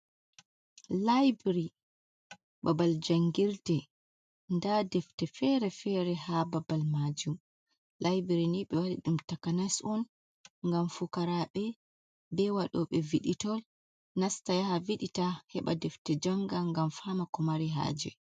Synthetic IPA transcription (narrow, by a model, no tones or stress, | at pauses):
lajbɾi | babald͡ʒaŋɡiɾtɛ | ndadɛftɛfɛɾɛfɛɾɛhababalmad͡ʒum | lajbɾiniɓɛwaɗḭɗumtakanasɔn | ŋɡamfukaɾaɓɛ | bɛwaɗɔɓɛviɗitɔl | nastajahaviɗitahɛɓa̰dɛftɛd͡ʒaŋɡaŋɡamfamakɔmaɾiɦa̰ːd͡ʒɛ̰